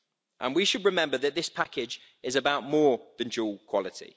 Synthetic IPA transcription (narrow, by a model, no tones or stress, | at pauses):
ʔə̰̃nwiʃəd̚ɹɪmɛ̃mbəðəʔðɪspʰakɪd͡ʒ | ɪzəbaʊʔmɔːðə̃nd͡ʒuːlˠkʰw̥ɒlɪtʰḭ